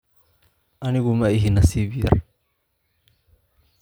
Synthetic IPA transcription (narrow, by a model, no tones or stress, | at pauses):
ʔɐnɪɣʊmɐɪɦinːɐsiːβɪjɐ̰r